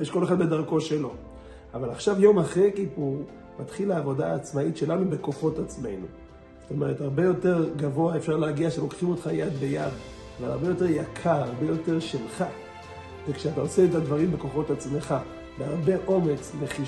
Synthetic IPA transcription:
jeʃko̞leχad̪̚be̞d̪aʁko̞ʃe̞lo̞ | avalaχʃavjo̞maχʁekipu | mat̪χilaːvo̞daːt͡smaitʃe̞lanube̞ko̞χo̞tat͡sme̞̰jnu | z̥ot̪o̞me̞ʁ̞ethaʁbe̞jo̞te̞ʁɡavo̞aefʃaʁleaɡiaʃelo̞kχimo̞t̪χajad̪be̞jad̪ | avala̰ʁbejo̞te̞ʁjakʰaaʁbe̞jo̞te̞ʁʃelχa | vekʃeataoseːtad̪vaʁimbe̞ko̞χo̞tat͡sme̞χa | behaʁbe̞ʔo̞me̞t͡sleχi

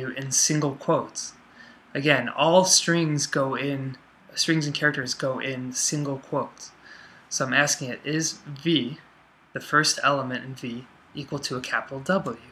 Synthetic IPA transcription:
ʉʔɨ̃nsɪ̃ŋɡl̩ˠkʰw̥oʊts | ɨɡɛ̃nɔlˠstɹ̥ɪ̃ŋzɡoʊɪ̃n | stɹ̥ɪ̃ŋzɨ̃nkʰɛɹɨk̚tə˞zɡoʊʔɪ̃nsɪ̃ŋɡl̩ˠkʰw̥oʊtsːoʊãɪ̃mæskɪ̃ŋɪɾʔɪzvi | ðɨfɜ˞stɛlˠəmɨ̃ɾ̃ɨ̃n̩vi | ʔikwl̩ˠtʰəːkʰæpəɾl̩ˠdʌbl̩ˠjʉ

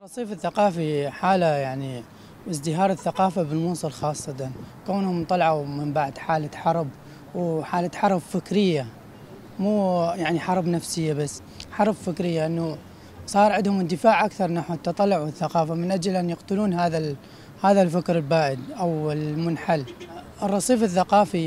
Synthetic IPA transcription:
ɾˤɑsˤiːfɪθːaqɑːfiħaːlajaʕni | ʔɪzd̪ɪɦɑːɾˤɪθːaqɑːfabɪlmuːsˤɨlxɑːsˤːɑt̪ɑnkaːnhʊmt̪ˤɑlɑʕamɪmbaʕd̪ħaːlaħɑɾˤb | wħaːlat̪ħɑɾˤbfɪkɾɪjːa | muːjaʕniħɑɾˤbnafsɪjːabasː | ħɑɾˤbfɪkɾɪjːaʔɪnːu | sˤɑːɾˤʕɪd̪hʊmɪnd̪ɪfaːʕʔakθɑɾˤnaħwt̪ːɑt̪ˤɑlːʊʕwɪθːaqɑːfamɪnʔad͡ʒalʔanjɪqt̪ʊluːnɦaːða | haːðalfakɾɪlbaːʔɪd̪ʔawɪlmʊnħal | rˤːɑsˤiːfɪθːaqɑːfi

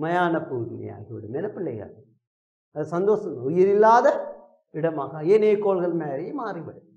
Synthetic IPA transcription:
mɐjaːnɐpːuːɣɪlɐ̰ja̰ːɣiʋɪɽɯmɛnːɐpːɪɭːɐ̰ɪɣɐ̰ɭ | ɐðɐsɐnd̪oːsɐmʊjɪɾɪlːaːðɐ | ɪɽɐmaːɣaːeːneːkːoːlɣɐɭmeːɾɐjemaːɾiʋɪɽɯ

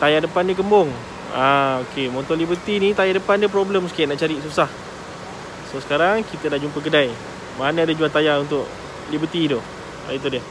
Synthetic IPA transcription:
t̪ajadəpandiək̬əmbɔŋ | aokemɔnt̪ɔnlibət̪inĩt̪ajadəpandiəp̬ɾobləmsə̥kinaʔt͡ʃaɾiʔsusah | sosə̥kaɾaŋkit̪ədahd͡ʒumpək̬ədaj | manəadad͡ʒuat̪ajaunt̪ʊʔ | libət̪ido | a̰it̪̬udiə

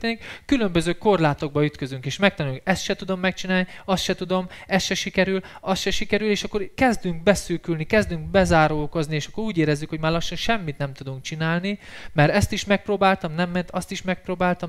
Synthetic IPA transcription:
enikkːylømbøzøːko̞rlaːt̪o̞ɡ̚bɒyt̪kø̞zyŋkeːʃmɛk̚t̪ɒnylkɛst̪ʃɛt̪ud̪o̞mːɛk̚t͡ʃinaːlniɒst̪ʃɛt̪ud̪o̞mɛst̪ʃɛʃikɛɾylɒst̪ʃɛʃikɛɾyleːʃɒkːo̞rkɛzd̪yŋk̚bɛsyːkylnikɛzd̪yŋɡ̚bɛzaːɾoːlkoznieːʃɒkːo̞ɾuːɟeːɾɛzːykho̞ɟmaːrlɒʃːɒnʃɛmːit̪nɛmt̪ud̪uŋkt͡ʃinaːlnimɛɾɛst̪iʃmɛk̚proːbaːlt̪ɒmnɛmːɛnt̪ɒst̪iʃmɛk̚proːbaːlt̪ɒm

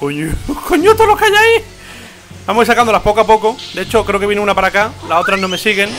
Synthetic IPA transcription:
koɲokoɲot̪olokeajai | bamois̬akand̪olapo̞koapo̞kod̪e̞et͡ʃo̞kɾeokejeneunapaɾakalao̞t̪ɾanome̞siɣe̞ŋ

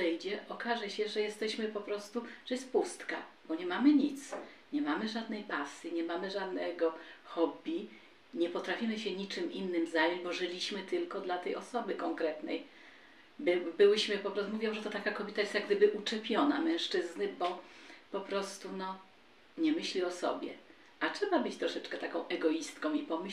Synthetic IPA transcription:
ɛjd͡ʑɛʔɔkaʐɛɕɛʐɛjɛst̪ɛɕmɘpɔpɾɔst̪uʐ̥ɛjɛst̪̚pust̪ka | bɔɲɛmamɘɲit̪s | ɲɛmamɘʐad̪nɛjpasjiɲɛmamɘʐad̪nɛɡɔxɔbʲi | ɲɛpɔt̪ɾafʲimɘɕɛɲit͡ʂɘmʔinːɘmzajɔ̃ɲd͡ʑbɔʐɘlʲiɕmɘt̪ɘlkɔd̪lat̪ɛjɔsɔbɘkɔŋkɾɛt̪nɛj | bɘbɘwɘɕmɘpɔpɾɔst̪muvʲjɔ̃w̃ʐɛt̪ɔt̪akakɔbʲjɛt̪ajest̪jaɡd̪ɘbɘʔut͡ʂɛpʲjɔna̰mɛ̃w̃ʂt͡ʂɘznɘbɔpɔpɾɔst̪unɔ | ɲɛmɘɕlʲiɔsɔ̰bʲjɛ̰ | atʂɛbabɘt͡ɕt̪ɾɔʂɛt͡ʂkɛt̪akɔ̃w̃ʔɛɡɔist̪kɔ̃w̃ipɔm

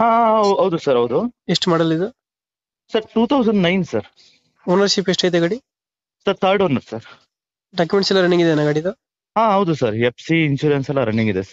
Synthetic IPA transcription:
ɦãaɐɦɐwd̪usɐɾɐwd̪ueʂʈmaːɽɐlːid̪u | sɐɾʈuːt̪ʰɐwzɐɳɖnajnsɐɾ | oːnɐɾsipeʂʈɐjt̪eɡɐɽi | sɐɾt̪ʰaːɾɖoːnːɐɾsɐɾ | ɖaːk̬jumeɳʈsɛlːɐɾɐɳːĩŋɡid̪enaɡɐɽid̪u | ɦãːɦɐwd̪usɐɾepʰsiːnsuːɾensɛlːɐɾɐɳːĩŋɡid̪esɐɾ

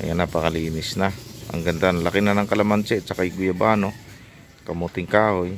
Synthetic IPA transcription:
ja̰napakaliːnɪsnaa̰ŋɡant̪analakɪnanaŋkalamant͡ʃɛʔt͡ʃakajɡʊjabaːno | kamut̪ɪŋkaːoj

